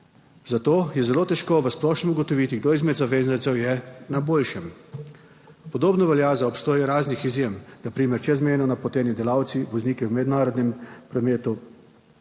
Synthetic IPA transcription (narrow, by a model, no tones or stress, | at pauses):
zat̪oːjɛzɛloːt̪ɛʃkoʋəsplɔːʃnɛmuɡɔt̪ɔʋit̪iɡd̪oːizmɛd̪zaʋeːznansɛwjɛnaboːlʃɛm | pɔd̪oːbnɔʋɛljazaɔpst̪oːjɛɾaːznixizjemnapɾiːmɛɾt͡ʃɛzmeːnɔnapɔt̪ɛːnjɛd̪ɛlawt̪siʋɔzniːkɛwmɛd̪naːɾɔd̪nɛmpɾɔmeːt̪u